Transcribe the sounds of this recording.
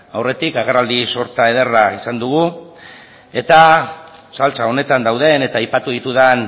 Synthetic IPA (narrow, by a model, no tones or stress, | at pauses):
awre̞t̪ikaɣerald̪iso̞ɾt̪ae̞ð̞eraisand̪uɣ̞u | e̞t̪a | salt͡sao̞ne̞t̪and̪awðe̞ne̞t̪aːjpat̪uðit̪uðan